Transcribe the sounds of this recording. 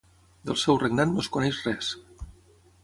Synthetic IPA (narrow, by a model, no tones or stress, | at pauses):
d̪əlˠsɛwrəɡnat̪noskunɛʃrɛs